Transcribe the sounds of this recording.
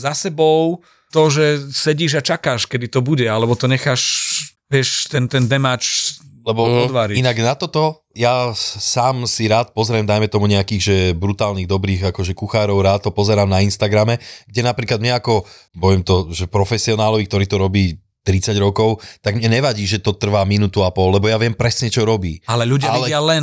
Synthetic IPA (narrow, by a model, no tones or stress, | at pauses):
zasɛbɔʊ | t̪ɔʒɛsɛɟiːʒat͡ʃakaːʃkɛd̪it̪ɔbuɟɛalɛbɔt̪ɔɲɛxaːʃʋɪɛʃt̪ɛnt̪ɛnd̪ɛmat͡ʃlɛbɔɔd̪ʋaɾiinaɡnat̪ɔt̪ɔ | jasaːmsiɾaːt̪̚pɔzɾɛmd̪ajmɛt̪ɔmuɲɛakiːɣʒɛbɾut̪aːlniːɣd̪ɔbɾiːɣakɔʒɛkuxaːɾɔʊɾaːt̪ɦɔpɔzɛɾaːmnainst̪aɡɾamɛɡ̚ɟɛnapɾiːklad̪mɲɛakɔ | bɔɛmt̪ɔʒɛpɾɔfɛsiɔnaːlɔʋik̚t̪ɔɾiːt̪ɔɾɔbiː | t̪ɾit͡saɟɾɔkɔʊt̪aɡmɲɛɲɛʋaɟiːʒɛt̪ɔt̪r̩ʋaːminuːt̪uapɔlːɛbɔjaʋɪɛmpɾɛsɲɛt͡ʃɔɾɔbiːalɛlʎuɟɪaalɛɪalɛn